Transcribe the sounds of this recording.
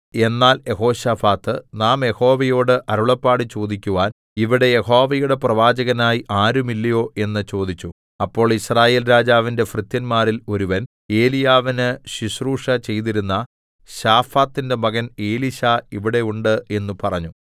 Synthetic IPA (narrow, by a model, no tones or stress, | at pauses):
e̞nːaːlje̞ɦo̞ːɕaːfaːt̪ːɨnaːmje̞ho̞ːʋɐjo̞ːɽɨʔɐɾuɭɐpːaːɽit͡ɕo̞ːd̪ikʲːuʋaːn | iʋiɽe̞je̞ho̞ːʋɐjuɽe̞prɐʋaːd͡ʑɐɣɐnaːjiʔaːɾumilːɐjo̞ːʔe̞nːɨt͡ɕo̞ːd̪it͡ɕːu | ɐpːo̞ːɭisraːje̞ːlɾaːd͡ʑaːʋinde̞frɨt̪jɐnmaːrilo̞ɾuʋɐn | e̞ːlijaːʋinɨɕiɕruːʂɐt͡ɕe̞jt̪iɾunːɐ | ɕaːfaːt̪ːinde̞mɐɣɐne̞ːliɕaːiʋiɽe̞uɳɖɨe̞nːupɐrɐɲːu